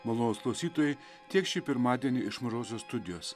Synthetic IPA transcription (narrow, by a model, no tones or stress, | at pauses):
mɐlˠoːnoːsklˠɐʊsʲiːt̪oːjɛɪ | t̪ʲiɛkʃʲipʲɪɾmɑːd̪ʲiɛnʲiɪʃmɐʒoːsʲoːsst̪ʊd̪ʲɪjoːs